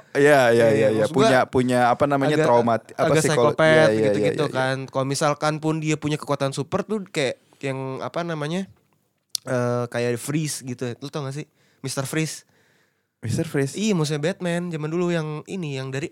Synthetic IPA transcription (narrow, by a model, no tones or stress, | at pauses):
jajajajaspuaɲapuɲaːpanamaɲaɡt̪ɾamat̪aaɡasisakopɛtaɡiuaɡit̪ukankalomisalkanpʊndiapuɲakə̥kuat̪ansupərt̪ʊkaja | jaŋa̰panamaɲa | əːkajadifɾisɡit̪ut̪lot̪ɔŋas̬ɪ | mist̪ərfɾɪs | mist̪ərfɾisiamus̬uɲabɛt̪̚mɛnd͡ʒamandulujaŋḭnijaŋdaɾi